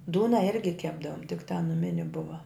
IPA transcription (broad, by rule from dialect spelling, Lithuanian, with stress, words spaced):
ˈduːnɐ ˈɪrʲɡʲɪ ˈkʲæːbdɐʋoːm tʲɪk tɐ nʊˈmʲɪnʲɪ ˈbʊʋɐ